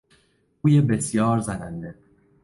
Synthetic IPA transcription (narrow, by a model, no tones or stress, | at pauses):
uːjebesjɒːɾzænænd̪e